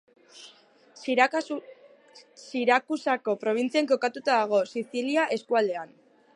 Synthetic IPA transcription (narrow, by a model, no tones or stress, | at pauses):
siɾakusako̞pɾo̞β̞int͡siaŋko̞kat̪ut̪aðaɣ̞o̞siθiliaʔe̞skuald̪e̞an